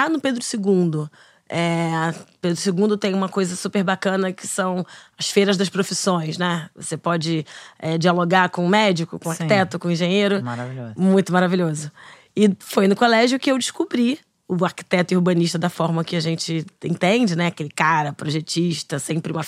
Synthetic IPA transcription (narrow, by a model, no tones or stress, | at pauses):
anʊped̪ɾʊsɪɡũd̪ʊ | ɛ | ped̪ɾʊsɪɡũnd̪ʊt̪ẽj̃ũmɐkojzɐsupeɾbakɐ̃nɐkɪ̥sɐ̃w̃ɐsfeɾɐzd̪ɐʃpɾofisõj̃snɛvo̰sepɔd͡ʒɪɛd͡ʒialoɡaɾkõʊmɛd͡ʒɪkʊkõaɾkt̪ɛt̪ʊkõĩʒẽɲeɾʊaɾaviomũj̃t̪ʊmaɾavilʎozʊ | ɪfojnʊkolɛʒʊkɪewd͡ʒiʃkubɾi | ʊaɾki̥t̪ɛt̪ʊihbɐ̃niʃt̪ɐd̪ɐfɔɾmɐkɪɐʒẽnt͡ʃɪḛ̃t̪ẽd͡ʒɪnɛakelɪkaɾɐpɾoʒet͡ʃiʃt̪ɐsẽmpɾɪũmɐ